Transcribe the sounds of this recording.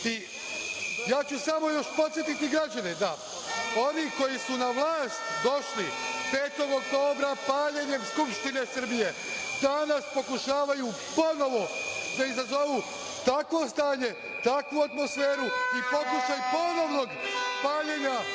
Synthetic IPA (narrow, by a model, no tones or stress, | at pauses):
i | jaːt͡ɕusamo̞jo̞ʃpo̞t̪sjet̪it̪iɡɾad͡ʑaned̪a | o̞niko̞jisunaʋlˠaːst̪d̪o̞ʃlipeːt̪o̞ɡokt̪o̞ːbɾapaːʎeɲe̞mskupʃt̪ine̞sr̩bije̞ | d̪anaspo̞kuʃaːʋajuː | po̞no̞ʋod̪aizazo̞ʋu | t̪akʋo̞st̪aːɲe̞ | t̪akʋuat̪mo̞sfeːɾuipo̞kuʃajpo̞no̞ʋno̞ɡpaːʎeɲa